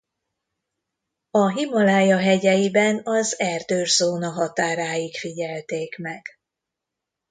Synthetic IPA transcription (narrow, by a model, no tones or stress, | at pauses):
ɒɦimɒlaːjɒɦɛɟɛjibɛnɒzɛrd̪øːrzoːnɒɦɒt̪aːɾaːjikfiɟɛlt̪eːkmɛɡ̥